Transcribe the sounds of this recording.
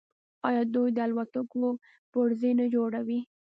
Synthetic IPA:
ɑjɑd̪ujd̪əalwat̪ako | poɾzenad͡ʒoɽawi

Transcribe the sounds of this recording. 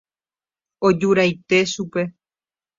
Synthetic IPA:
od͡ʒuɾajt̪e̞ʃupe̞

